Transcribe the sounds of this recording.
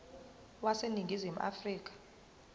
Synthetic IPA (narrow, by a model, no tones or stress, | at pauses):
waseniŋɡʱizim̩ʔa̰friːk̬ʼḁ